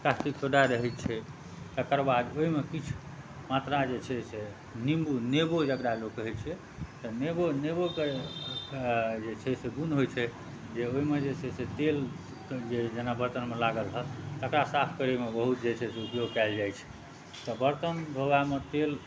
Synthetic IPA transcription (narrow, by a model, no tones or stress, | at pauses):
kast̪iksʰoɖaɾəɦɛt̪t͡ʃʰɛ | t̪əkəɾbad̪oɦimekit͡ʃʰu̥ | mat̪ɾad͡ʒet͡ʃʰɛse | nimbunebod͡ʒəkɾalokːəɦɛt̪̚t͡ʃʰɛ | t̪əneboneboke | d͡ʒet͡ʃʰɛseɡunɦojt͡ʃʰɛ | d͡ʒeoɦimed͡ʒesʰɛset̪el | d͡ʒed͡ʒenabəɾt̪ənmelaɡəlɦət̪əkɾasapʰkəɾemebəɦut̪d͡ʒet͡ʃʰɛseupjoɡkɛld͡ʒajt͡ʃʰɛ̥ | t̪ɔbəɾt̪ənbʱəbamet̪el